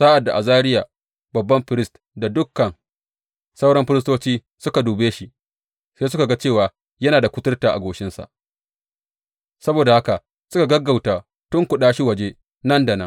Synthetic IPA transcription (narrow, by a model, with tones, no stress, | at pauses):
saː˦ʔa˨dːa˨ʔa˨zaː˦ɾɪ˦jaː˨ | bɐ˨bːɐ˦mɸɪ˦ɾɪ˦st | da˨dʊ˦kːɐ˨n | sa˦wɽɐ˦mɸɪ˦ɾɪ˦s̬toː˦t͡ʃiː˦ | sʊ˦ka˨duː˨beː˦ʃi˦ | seː˦sʊ˦ka˨ɡa˦t͡ʃeː˦˨waː˨ | jɐ˦naː˨da˨kʷʊ˦tʊ˦rtaː˨ʔa̰˨ɡʷoː˨ʃɪ˦nsa̰˨ʔ | sɐ˦boː˨da˨ha˦ka˨ | sʊ˦ka˨ɡɐ˦ɡːa˨wtaː˨ | tʊ˦ŋkʷʊ˨ɗaː˦ʃi˦wɐ˨d͡ʒe˦ | nɐ˦nda˨nɐ˦ŋ